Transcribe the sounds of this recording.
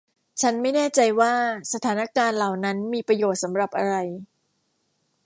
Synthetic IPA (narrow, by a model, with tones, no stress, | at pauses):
t͡ɕʰa˦˥nma˥˩jnɛː˥˩t͡ɕa˧jwaː˥˩sa˧t̪ʰaː˩˦na˦˥kaː˧nla˨˩wna˦˥nmiː˧pɾa˧joː˨˩t̪̚sa˩˦mɾa˨˩p̚ʔa˧ɾa˧j